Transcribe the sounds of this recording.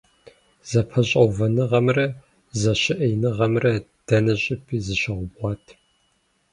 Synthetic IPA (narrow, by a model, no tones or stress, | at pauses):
zɐpʰɐɕʼɐwvɐnɨʁɐmrɐ | zɐɕɪʔɐjnɨʁɐmrɐd̥ɐnɐɕʼɪpʰiːzɨɕɐʁʷʊbʁɑːtʰ